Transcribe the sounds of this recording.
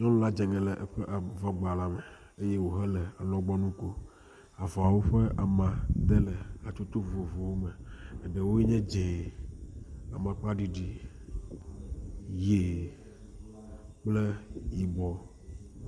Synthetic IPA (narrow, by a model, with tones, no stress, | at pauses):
ɲɔ̃˦lũ˦la˦d͡ʒɛ˨ŋɛ̃˨lɛ˨ʔɛ˦ɸɛ˦ʔa˨vɔ˦ɡ͡ba˨la˦mɛ˨ | e˦je˦wo˨ɦɛ˦lɛ˨a˨lɔ̃˦ɡ͡bɔ˦nũ˦ko˦ | a˨vɔ˨a˨wo˦ɸe˦ʔa˨mã˨d̪ɛ˦lɛ˨a˨t͡ʃo˦t̪o˦vo˨vo˨wo˦me˨ɛ˨ɖe˨wo˦ji˦ɲɛ̃˦d͡ʒẽ˨ | a̰˨mã˨k͡pa˦ɖi˦ɖi˦ | je˨ | k͡plɛ˦ji˨ɡ͡bɔ˨